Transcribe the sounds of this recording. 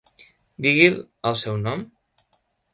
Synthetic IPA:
d̪iɣil | əlˠsɛwnɔm

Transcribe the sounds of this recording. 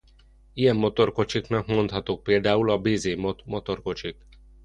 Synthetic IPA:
ijɛmːo̞t̪o̞rko̞t͡ʃiknɒkmo̞nt̪hɒt̪oːk̚peːld̪aːulɒbeːzeːmot̪mo̞t̪o̞rko̞t͡ʃik

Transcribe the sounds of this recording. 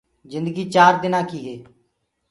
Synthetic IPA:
zɪ̃nd̪əɡiːt͡ʃaːɾd̪ɪnãːkiːɦeː

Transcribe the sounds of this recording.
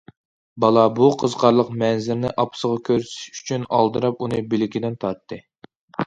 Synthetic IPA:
bɑlˠɑbuqʰəzqɑɾlˠəqmɛnzɪɾnɪʔɑpʰsəʁɑkʲʰøɾsɪ̥ʃy̥t͡ʃʰynɑ̰lˠd̪ɨɾɑp̚unɨbɪlɪɡʲid̪ɛnt̪ʰɑɾt̪ʰːɨ

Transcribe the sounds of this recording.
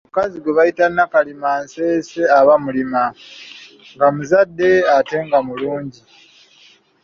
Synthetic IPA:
mukaziɡweβajitanːakalimanse̞ːse̞aβamulima | ŋɡamuzadːe̞ate̞ŋɡamuluːɲɟi

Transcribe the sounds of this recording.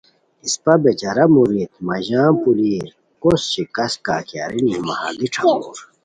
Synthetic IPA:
ispɐbet͡ɕɐɾɐmuɾit̪̚mɐʑaːpuliːɾ | kosɕikɐska̰ːkja̰ːɾinimɐha̰ɡ̪iʈ͡ʂʰɐkoːɾ

